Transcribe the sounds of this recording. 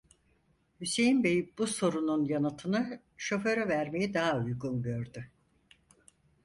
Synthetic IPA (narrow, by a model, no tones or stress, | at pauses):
hyse̞jinbe̞jibuso̞ɾununjanɯt̪ʰɯnɯ | ʃo̞fø̞ɾɛvæɾme̞jid̪aɦaujɡunɡø̞ɾd̪y